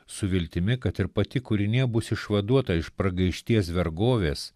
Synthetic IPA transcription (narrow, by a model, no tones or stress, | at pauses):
ssʊʋʲɪlʲt̪ʲɪmʲɪkɐt̪ɪɾpɐt̪ʲɪkʊɾʲɪnʲiɛbʊsɪʃʋɐd̪uɔt̪ɐɪʃpɾɐɡɐɪʃʲt̪ʲiɛsʋʲɛɾɡoːʋʲeːs